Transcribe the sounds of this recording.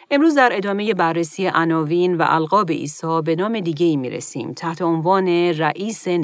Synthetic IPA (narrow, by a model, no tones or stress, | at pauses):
ʔe̞mɾuːzd̪æɾe̞d̪ɒːme̞je̞bærːesiːjeʔænɒːviːnvæ̰ʔælɣɒːbeʔḭːsɒːbe̞nɒːmed̪iːɟe̞iːmḭːɾḛsḭːmt̪ʰæht̪ʰe̞onvɒːne̞ræʔiːse